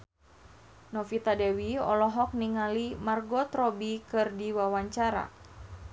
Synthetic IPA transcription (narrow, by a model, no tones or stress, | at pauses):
nɔfit̪adɛwiɔlɔɦɔk̚niŋalimarɡɔt̪ɾɔbikɨrdiwawaɲt͡ʃaɾa̰